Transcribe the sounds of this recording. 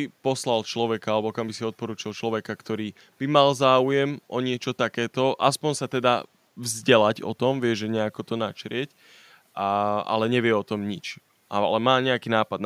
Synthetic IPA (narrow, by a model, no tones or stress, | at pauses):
ipɔslalt͡ʃlɔʋɛkaalɛbɔkambisiɔt̪̚pɔɾuːt͡ʃilt͡ʃlɔʋɛkakt̪ɔɾiː | b̥imalzaːujɛmʔɔɲɪɛt͡ʃɔt̪akɛːt̪ɔʔaspɔɲsat̪ɛd̪a | vzɟɛlaɟɔ̰t̪ɔmʋɪɛʒɛɲɛakɔt̪ɔnat͡ʃɾɪɛc | aa̰lɛɲɛʋɪɛɔt̪ɔmɲit͡ʃ | alɛmaːɲɛakiːnaːpad̪̚n